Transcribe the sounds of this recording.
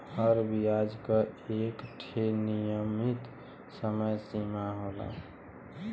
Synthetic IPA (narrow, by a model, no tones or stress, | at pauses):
həɾbiad͡ʒkəekʈʰenijəmit̪ | səməjsimaɦola̰